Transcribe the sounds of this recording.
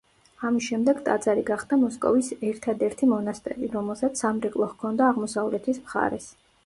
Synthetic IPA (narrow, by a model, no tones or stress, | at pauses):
amisʃɛmd̪ɛɡt̪ʼat̪zʼaɾiɡaχd̪amɔskʼɔ̰visɛɾt̪ʰad̪ɛɾt̪ʰimɔnast̪ʼɛɾiɾɔmɛlˠsat̪sʰamɾɛkʼlˠɔχkʰɔnd̪aːʁmɔsavlɛt̪ʰismχa̰ɾɛs